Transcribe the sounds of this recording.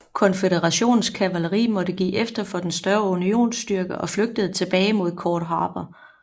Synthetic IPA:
kʰɒ̽nfeɾeʁɑɕo̝̰ːn̩skʰæʋæləʁḭːmɒ̽ɾ̥əɡ̥ḭːʔefd̥ɐfɒ̽d̥ensd̥ɶɐunio̝̰ːnsd̥yɐɡ̥əʔɒ̽fløɡ̥̚d̥əð̞̩ˠət͡sʰe̝b̥ɛːɪmo̝ð̞̰ˠkʰɒːd̥ɦɑ̈ːb̥ɐ

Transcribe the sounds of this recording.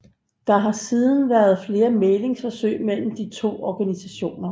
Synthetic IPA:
d̥ɑ̈ɦɑ̈siːð̞ˠn̩ʋæɐð̞ˠfle̝ːɐmele̝ŋsfɒ̽sø̰ɪmel̰m̩d̥it͡sʰo̝̰ːɒɡ̥ænisæɕo̝̰ːnɐ

